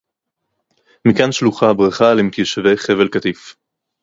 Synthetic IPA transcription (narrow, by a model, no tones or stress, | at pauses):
mikanʃluχabʁaχalemit̪jeʃevejχevelkat̪if